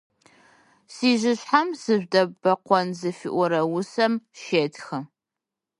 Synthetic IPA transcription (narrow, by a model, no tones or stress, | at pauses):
siːʒɪɕħamsɨʒʷdɐbɐqʷɔnzɨfḭʔʷɔɾɐwʊsɐmʃeːtxɐ